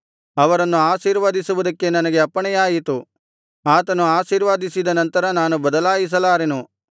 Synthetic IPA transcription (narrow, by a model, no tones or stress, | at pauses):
ɐʋɐɾɐnːuaːʃiːɾʋaːd̪isuʋud̪ɐkːe̞nɐnɐɡe̞ɐpːɐɳɛjaːjit̪u | aːt̪ɐnuaːʃiːɾʋaːd̪isid̪ɐnɐnt̪ɐɾɐnaːnubɐd̪ɐlaːjis̬ɐlaːɾenu